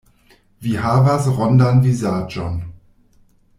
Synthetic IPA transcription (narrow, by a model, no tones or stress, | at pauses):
vihaːvasʁɔndanviːzaːd͡ʒɔn